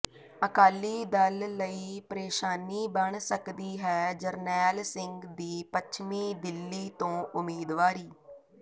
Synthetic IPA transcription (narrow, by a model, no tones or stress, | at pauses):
əkaːliːd̪əlːəiːpəɾeːʃaːniːbəɳsəkd̪iːɦɛːd͡ʒəɾnɛːlsɪ̃ŋɡd̪iːpət͡ʃʰmiːd̪ɪlːiːt̪õːʔʊmiːd̪ʋaːɾiː